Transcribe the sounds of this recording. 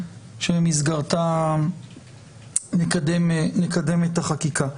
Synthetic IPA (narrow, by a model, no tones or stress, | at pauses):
ʃemizɡaʁt̪a | lekademlekad̪e̞metaχakikʰa